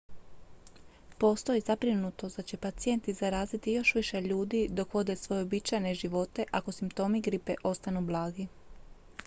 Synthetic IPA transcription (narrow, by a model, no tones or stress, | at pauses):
po̞st̪o̞izabɾinut̪o̞d̪at͡ɕe̞pat̪sije̞nt̪izaɾaːzit̪ijo̞ʃʋiʃe̞ʎuːd̪id̪o̞kʋo̞d̪e̞sʋo̞je̞obit͡ʃajne̞ʒiʋo̞t̪e̞ʔako̞simpt̪o̞ːmiɡɾipeʔo̞st̪anublˠaːɡi